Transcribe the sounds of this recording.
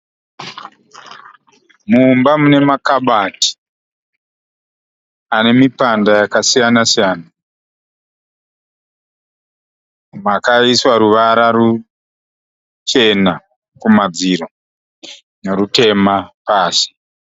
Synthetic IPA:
mumbamune̞makaɓati̥ | ane̞mipandajakasijanasijaːna | makaiswaɾuʋaɾaru | t͡ʃe̞na | kumad͡ziɾo̞ | neɾute̞mapaːsi̥

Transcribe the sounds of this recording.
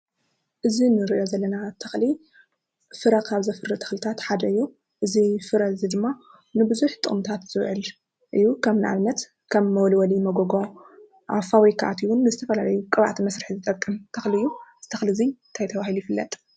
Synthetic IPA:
ʔɨzinɨɾɨʔjo̞zɐlːɐnat̪ʰɐxli | fɨɾɐkʰaβzɐfɨrɨt̪ʰɐ̥xlit̪ʰat̪ħad̪ɐɨjːu | ʔɨzifɨɾɐzid̪ɨmːa | nɨbɨzuħt̪ʼɨʔʼmt̪ʰat̪z̥ɨβʕɨl | ʔɨjːukʰɐmnɨʔa̰βnɐt̪ | kʰɐmːɐwɔlwɐlimɐɡoɡo | ʔa̰fawijkʰaʔa̰t̪iwʊnːɨzɨt̪ʰɐfɐlalɐjukʼɨβa̰ʕt̪ʰimɐsɾɨħizɨt̪ʼɐkʼːɨmt̪ʰɐxliɨjːuz̥ɨt̪ʰɐxlizint̪ʰajt̪ʰɐβahilujifɨlːɐ̰t̪ʼ

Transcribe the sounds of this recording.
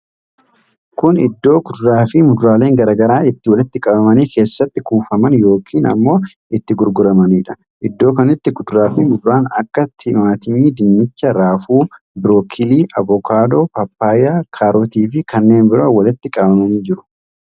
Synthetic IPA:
kʊnɪ̰d̪ːo̞ːɡʊd̪ʊɾaːfɪmʊd̪ʊɾaːle̞ːŋɡɐɾɐːɡɐɾaːɪt̪ːɪwɐlɪt̪ːɪkʼɐbɐmɐniːkʰe̞ːsːɐt̪ːɪkuːfɐmɐnjo̞ːkʰiːnɐ̰mːo̞ː | ɪt̪ːɪɡʊɾɡʊɾɐmɐniːᶑɐ̥ | ʔɪd̪ːo̞ːkɐnɪt̪ːɪɡʊd̪ʊɾaːfɪmʊd̪ʊɾaːnɐ̰kːɐt̪ʰːɪmaːt̪ɪɲːid̪ɪnːɪt͡ʃːɐɾaːfuː | bɪɾoːkʰɪliːʔɐbɔkʰaːd̪o̞ːpɐpːaːjaːkʰaːɾot̪iːfɪkʰɐnːe̞ːnbɪɾɐwɐlɪt̪ːɪkʼɐbɐmɐniːd͡ʒɪɾʊ̥

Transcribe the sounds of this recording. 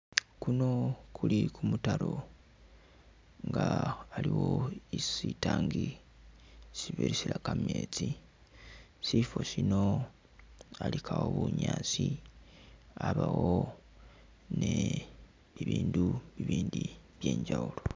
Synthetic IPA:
kuno̞kʰulikumutaɾo̞ | ŋɡaːliwo̞isitaːŋɡi | siβeɾisilakameːt͡si | sifo̞sino | alikʰawo̞βuɲaːt͡si | aβawo | ne | βiβiːnduβiβiːndi | βje̞ːɲɟaulo

